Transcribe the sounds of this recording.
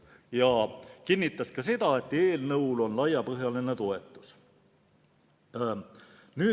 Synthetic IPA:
jɑkinʲːit̪ˑːɑskɑse̞d̪̥ɑe̞t̪ːˑe̞ːlnɤwlo̞nlɑjːɑpɤɦjɑlinet̪o̞e̞t̪ːˑu̥s | nyː

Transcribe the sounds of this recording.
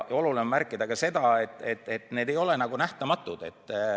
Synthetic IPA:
o̞lulinemmærkːˑid̪̥ɑkɡ̥ɑse̞d̪̥ɑet̪ːˑe̞t̪ːe̞t̪ne̞ːd̪e̞jo̞le̞nɑɡ̥unæht̪ɑmɑt̪ːˑud̪̥e̞t̪ː

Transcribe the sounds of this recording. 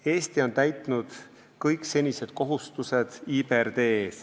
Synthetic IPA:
e̞ːst̪io̞nt̪æjt̪ˑnud̪̥ | kɤjkse̞nʲise̞d̪̥̚ko̞ɦust̪use̞d̪̥iːberd̪e̞ːs

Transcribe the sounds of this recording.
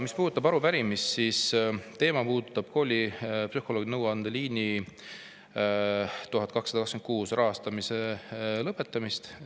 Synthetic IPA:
mispuːd̪ut̪ːˑɑbɑɾupæɾimist̪sist̪e̞ːmɑpuːt̪ːˑɑb̥kʰo̞ːlʲipsyho̞lo̞ɡ̥inɤwɑnd̪̥eliːni | t̪uɦɑd̪̥̚ˑkɑksɑd̪ɑkɑkskenkuːsrʔɑɦɑst̪ɑmise̞lɤpːˑe̞t̪ːˑɑmist̪

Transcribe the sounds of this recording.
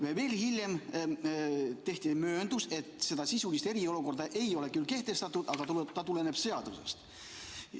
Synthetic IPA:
veve̞ːlhilʲjem | t̪e̞ht̪imø̞ːnd̪use̞t̪ˑse̞d̪ɑsisulist̪e̞ɾio̞luko̞rd̪ɑʔe̞jo̞le̞kylke̞ht̪e̞st̪ɑt̪ːˑud̪ɑɡ̥ɑt̪t̪ɑt̪ule̞ne̞b̥se̞ɑd̪̥use̞̰st̪

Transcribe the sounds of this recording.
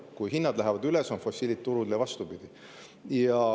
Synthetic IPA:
kujɦinːɑd̪læɦɛvɑd̪ylesonfo̞sʲːilit̪t̪ːuɾud̪elevɑst̪ubid̪̥i | jɑ

